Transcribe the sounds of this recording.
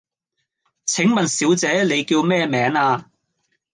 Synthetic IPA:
t͡sʰɪ˨˥ŋmɐ˨nsiː˨˥wt͡sɛː˨˥le˨˧jkiː˧wmɛː˥mɛː˨˥ŋaː˧

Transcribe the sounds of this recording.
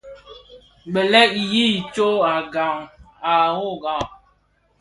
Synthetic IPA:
ɡ͡bɛ˨lɛ˦ʔi˨ji˦˨t͡ʃo˦a˨ɡa˨ŋ | a˨ŋo˦ɡa˨ŋ

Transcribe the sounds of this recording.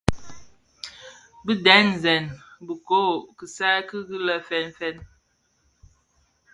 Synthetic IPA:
bi˦dɛ˨˦n˨zɛ˨nbu˨ko˦˨kə˨sa˦kɨ˦ɡi˦lə˦fɛ˦nfɛ˦n

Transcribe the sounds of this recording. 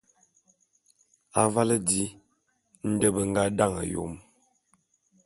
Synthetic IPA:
a˨va˦lə˦di˦ | n̩˦də˦bə˨ŋ̩˦ɡa˦da˦˨ŋə̰˨jo̰˨m

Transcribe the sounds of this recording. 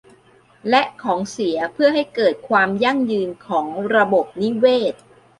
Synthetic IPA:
lɛ˦˥ʔkʰɔː˩˦ŋsi˩˦ɐpʰɯ˥˩ɐɦa˥˩jkɤː˨˩t̪̚kʰwaː˧mja˥˩ŋjɯː˧nkʰɔː˩˦ŋɾa˧bo˨˩p̚ni˦˥weː˥˩t̪̚

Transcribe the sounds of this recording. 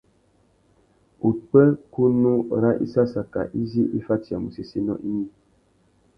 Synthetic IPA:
u˨k͡pɛ˦ku˦nu˦˨ɾa˦ʔḭ˦sa˦sa˨ka̰˨ʔi˦zi˦ʔi˦fa˦ti˨a˨mu˨se˨se˦nɔ̰˦ʔi˦mi˦

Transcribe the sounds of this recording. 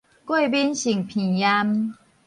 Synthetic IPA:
kwe˥˨bi˦nɕi˨˩ŋpʰĩ˨˩ja˦m

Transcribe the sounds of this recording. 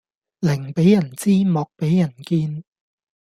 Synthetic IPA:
lɪ˨˩ŋpe˨˥jːɐ˨˩nt͡siː˥mɔː˨˧k̚pe˨˥jjɐ˨˩nkiː˧n

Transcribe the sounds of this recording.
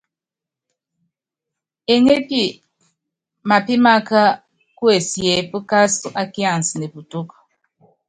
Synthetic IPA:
e˨ŋe˦pi˦˨ | ma˨pi˦ma˦ka˦ | ku˦e˨sje˨˦pu˦ka˦su˨ʔa˦ki˦a˨n˨si˨ne˨pu˨tu˦k

